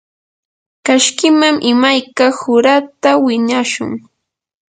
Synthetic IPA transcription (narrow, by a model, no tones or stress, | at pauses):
kaʃkɪmamʔɪmajkahʊɾat̪awɪɲaʃʊ̰ŋ